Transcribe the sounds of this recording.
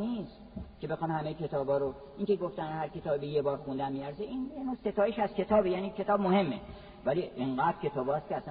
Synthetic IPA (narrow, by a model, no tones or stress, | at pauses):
niskʰʲe̞bexɒnhæmejkʲʰe̞t̪ʰɒːbɒːɾo | iːŋkʲe̞ɡoft̪ænhæɾkʰʲe̞t̪ɒːbibejebɒːɾxund̪ænmiːæɾzeʔinjenost̪e̞t̪ɒːjeʃæz̥kʲʰe̞t̪ʰɒːbejæːniːkʰe̞t̪ʰɒːb̚mohe̞mːe | væliʔeŋɢæd̪ɾkʲʰe̞t̪ʰɒːbɒːst̪kʰʲeæsæ